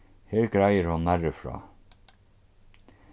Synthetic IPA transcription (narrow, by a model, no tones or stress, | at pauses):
heːɹɡɾajəɾhʊnːæɹəfɾɑ̰ː